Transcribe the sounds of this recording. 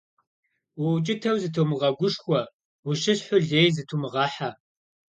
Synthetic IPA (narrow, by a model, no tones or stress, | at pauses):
wɔt͡ʃʼɪtʰɐwzɨtʰɐwmɨʁɐɡʷʊʂxʷɔ | wʊʃɨsħʷʊɮeːjzɨtʰumɨʁɑːħa